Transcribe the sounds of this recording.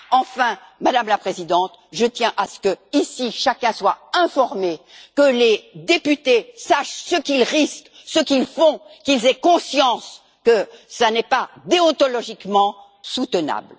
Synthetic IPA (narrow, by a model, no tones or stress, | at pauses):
ɑ̃fɛ̃ | mad̪amlapχezid̪ɑ̃t̪ʒət̪jɛ̃ʔasə̥kəisiʃakʲɛ̃swaɛ̃fɔʁmekəled̪epyt̪esaʃsəkilʁisk | səkilfɔ̃kilzɛkɔ̃sjɑ̃s | kəsanɛpad̪eɔ̃t̪ɔlɔʒikmɑ̃ | sut̪əna̰bl